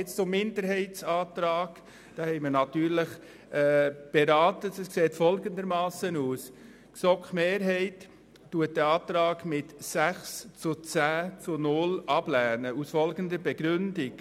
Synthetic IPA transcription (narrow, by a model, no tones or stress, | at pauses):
ɪt͡st͡sʊmːɪndəɾɦɛɪtsɑːtɾɑːɡ̥ | d̥ɑːhɛɪməɾnɑtyːɾləχ | ɛb̥ɛɾɑːtətəskseːtfɔlɡənd̪əɾmɑːsənuːs | ksɔkχmeːɾɦɛɪtː | uət̚d̥ɛɑːt̪ɾɑːɡmɪtsæχst͡sʊt͡sæːt͡sʊnʊlɑb̥læːnəusfɔlɡəndəɾbɛɡ̥ɾʏndɪk